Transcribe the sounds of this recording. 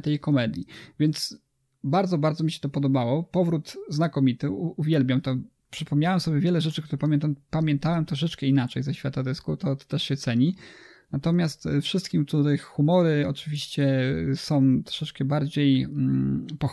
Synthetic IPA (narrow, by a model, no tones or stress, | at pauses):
t̪ɛjkɔmɛd̪ʲjivʲjɛnt̪s | baɾd̪zɔbaɾd̪zɔmʲiɕɛ̥t̪ɔpɔd̪ɔbawɔpɔvɾut̪znakɔmʲit̪ɘuːvʲjɛlbʲjamt̪ɔ | pʂɘpɔmɲawɛmsɔbʲjɛvʲjɛlɛʐɛt͡ʂɘkt̪uɾɛpamʲjɛnt̪ampamʲjɛnt̪awɛmt̪ɾɔʂ̬ɛt͡ʂkɛinat͡ʂɛjzaɕfʲat̪ad̪ɛskut̪ɔt̪t̪ɛʂɕɛt̪sɛɲi | nat̪ɔmʲjast̪fʂɘst̪kʲimt̪ud̪ɛxumɔɾɘɔt͡ʂɘvʲiɕt͡ɕɛsɔ̃w̃t̪ɾɔ̥ʂɛt͡ʂkɛbaɾd͡ʑej̩ | pɔx